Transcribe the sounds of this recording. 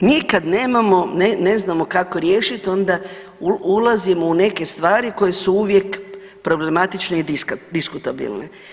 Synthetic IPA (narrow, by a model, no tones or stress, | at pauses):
niːkad̪ne̞ːmamo̞nene̞znamo̞kako̞ɾjeːʃit̪o̞nd̪a | uulˠazimo̞une̞ke̞st̪ʋaːɾiko̞je̞suuʋje̞k | pɾo̞ble̞mat̪it͡ʃneid̪ikd̪iskut̪abḭlnḛ